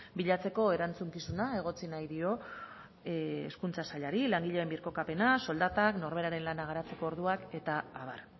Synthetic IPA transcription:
biʎat͡se̞ko̞e̞ɾant͡suŋkisunae̞ɣ̞o̞t͡sinajðio̞ | ḛskunt͡sasaʎaɾilaŋɡiʎeembiɾko̞kape̞naso̞ld̪at̪akno̞ɾβe̞ɾaɾe̞nlanaɣ̞aɾat͡se̞ko̞ːɾðuake̞t̪aːβa̰ɾ

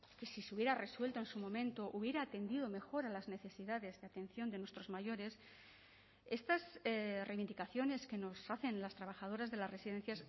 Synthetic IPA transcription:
ke̞sisuβjeɾare̞swe̞lt̪oensumõ̞mẽ̞nt̪o̞ʔuβje̞ɾaːt̪e̞nd̪ið̞ome̞xo̞ɾalazne̞θe̞siðaðe̞zðeat̪e̞n̟θjo̞nd̪e̞nwest̪ɾo̞zmaʝo̞ɾe̞s | e̞st̪asrejβind̪ikaθjo̞ne̞ske̞no̞saθe̞nlast̪ɾaβ̞axað̞o̞ɾazðe̞lasre̞siðe̞n̟θjas

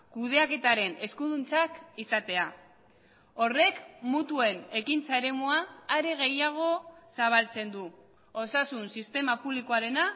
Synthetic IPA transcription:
kuð̞e̞ake̞t̪aɾe̞ne̞skuðunt͡sakisat̪e̞a | o̞re̞kmut̪ue̞ne̞kint͡sae̞ɾe̞muaːɾe̞ɣ̞e̞jaɣ̞o̞saβ̞alt͡se̞nd̪u | osasunsist̪e̞mapuβlikoaɾe̞na

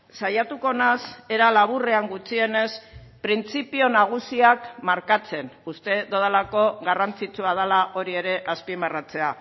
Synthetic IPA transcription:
sajat̪uko̞nase̞ɾalaβure̞aŋɡut͡sie̞ne̞spɾint͡sipio̞naɣ̞usiakmaɾkat͡se̞nust̪e̞doðalako̞ɣarant͡sit͡suað̞alaʔo̞ɾie̞ɾe̞ʔaspimbarat͡se̞a

